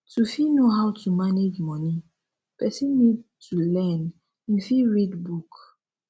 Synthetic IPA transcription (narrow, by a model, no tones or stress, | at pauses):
tufinoɦawtumaned͡ʒmɔni | pɛsĩnːid̚tʰulɛn | nifiɹidbuk